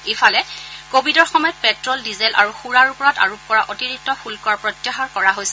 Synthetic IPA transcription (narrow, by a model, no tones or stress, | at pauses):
efalɛkobʱidɔɹxɔmɔjɔt̚pɛtɹɔldizɛlʔa̰ɹuxuɹaɹupɔɹata̰ɹup̚ːɔɹaʔotiɹik̚tːɔpʰulkɔapɹɔtjaxaɹkɔɹaɦojsɛ